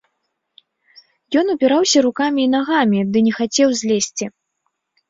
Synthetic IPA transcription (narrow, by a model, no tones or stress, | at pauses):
jɔn̪upʲiɾawsʲɐɾukamʲiːnaɣamʲid̪ɨnʲɛxat͡sʲɛwzʲlʲesʲt͡sʲi